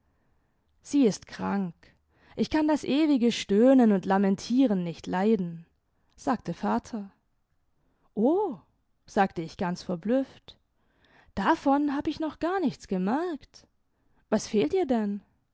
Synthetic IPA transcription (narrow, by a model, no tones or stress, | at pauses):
z̥iːɪstkʁ̥aŋk | ʔɪçkʰandasʔeːvɪɡəʃtøːnənʊntlamɛntʰiːʁənːɪçtʰlaɪdn̩ | z̥aːk̚tʰəfaːtʰɐ | ʔoː | z̥aːktəɪçɡ̥ant͡sfɛɐblʏft | d̥afɔnɦaːbəɪçnɔχɡ̥aːɐnɪçt͡sɡ̥əmɛɐkt | vasfeːltiːɐdɛn